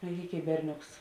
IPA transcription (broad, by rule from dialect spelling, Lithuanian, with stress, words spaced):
mʲɛrʲˈɡʲeːkʲ ɪ ˈbʲɛrʲˌnʲoːks